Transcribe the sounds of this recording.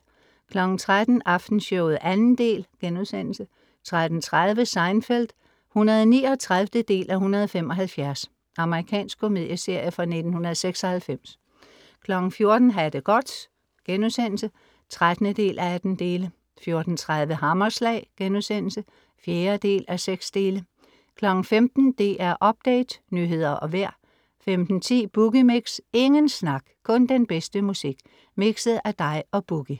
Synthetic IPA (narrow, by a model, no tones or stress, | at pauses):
kʰlɒ̽ɡ̥n̩t͡sʰʁad̥n̩ʔɑ̈fd̥n̩sɕɔʊð̩ˠʔænn̩d̥e̝̰ːlɡ̥enuðˠsen̰l̩sə | t͡sʰʁad̥n̩t͡sʰʁað̞ˠʋəsɑ̈ɪnfeld̥ | hunɐðˠniːɒt͡sʰʁaðfd̥əd̥e̝̰ːlʔæhunɐð̞ˠɒfem̰ɒ̽ɦælfjæɐs | ʔɑ̈məʁikʰɛ̰ːnsɡ̥̚kʰo̝me̝ð̞̰ˠjəse̝ɐ̰jəfʁɑ̈ne̝d̥n̩hunɐð̞ˠseɡ̥sɒ̽hælfem̰s | kʰlɒ̽ɡ̥n̩fjo̝ɐd̥n̩ɦæd̥əɡ̥ɒ̽d̥ | ɡ̥enuðˠsen̰l̩sə | t͡sʰʁad̥nəd̥e̝̰ːlʔææd̥n̩d̥e̝ːlə | fjo̝ɐd̥n̩t͡sʰʁað̞ˠʋəɦɑ̈mɐslɛ̰ɪ̰ɡ̥enuðˠsen̰l̩sə | fjeːɐd̥e̝̰ːlʔæseɡ̥sd̥e̝ːlə | kʰlɒ̽ɡ̥n̩femd̥n̩d̥e̝ʔæɐʔɒ̽b̥̚d̥ɛ̰ɪd̥nyːɦe̝ð̞̰ˠɐʔɒ̽ʋæɐ̰ | femd̥n̩t͡sʰḭːb̥uɡ̥imeɡ̥se̝ŋənsnɑ̈ɡ̥kʰɔ̽nd̥enb̥esd̥əmusiɡ̥ | miɡ̥sð̩ˠæd̥ɑ̈ɪɒ̽b̥uɡ̥i